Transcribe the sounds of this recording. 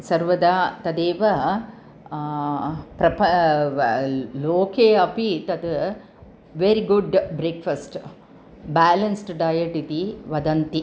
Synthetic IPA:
sɐɾʋɐd̪aːt̪ɐd̪eːʋɐ | pɾɐpɐ | loːkʰeːɐpit̪ɐt̪ɨ | ʋeɾiɡuɖbɾeːkfɐsʈ | baːlɐnsʈɖaːjɐʈit̪iʋɐd̪ɐnt̪i

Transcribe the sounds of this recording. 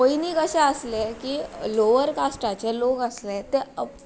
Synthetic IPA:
oiniːkəɕɛ̃əslekiːloʋəɾkasʈat͡ɕeloɡəslet̪eə

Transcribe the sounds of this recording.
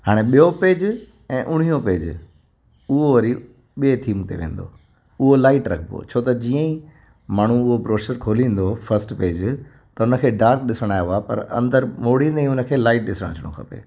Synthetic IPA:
ɦaːɽ̃eɓijopeːd͡ʑ | ɛ̃ːʔʊɽ̤ijõpeːd͡ʑ | ʊɦoʋɐɾi | ɓiet̪ʰiːmt̪ḛʋḛ̃ːn̆d̪o̰ | ʊɦolaːɪʈɾɐkʰbo̰t͡ɕʰoːt̪ɐd͡ʑiːə̃ĩ | maːɳ̤ũʊɦobɾoːʃəɾkʰoːlĩːn̆d̪ofɐɾsʈpeːd͡ʑ | t̪ɐʊnə̆kʰeːɖaːɾk̚ɗɪsəɽ̃aːjeoapɐ̰ɾɐ̰̃nd̪əɾmoːɽ̤ĩːnd̪eĩʊnə̆kʰeːlaːɪʈ̚ɗɪsəɽ̰̃t͡ɕʰəɽ̃o̰kʰɐpḛː

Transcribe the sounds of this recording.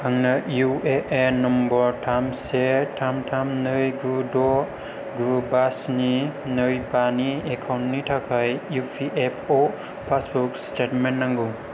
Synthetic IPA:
haŋnɐjueʔenɔmbɔɾtʰamsetʰamtʰamnɯjɡudɔ | ɡubasninɯjbaniekʰawntnitʰakʰajjupʰiʔepʰo | pʰasbɔkstetmennːaŋɡu

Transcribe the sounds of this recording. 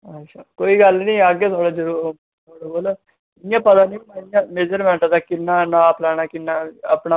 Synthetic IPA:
ət͡ʃʰaːkoːiːɡəlnĩːaːɡeːt̪ʰoːɽaːd͡ʒəɾuːɾ | t̪ʰoːɽaɡoːloː | ɪjãːpət̪aːnĩːmajãːmeːd͡ʒəɾmɛ̃ːɳʈad̪aːkɪnːaːnãːplɛːɽ̃aːkɪnːaːəpɳa

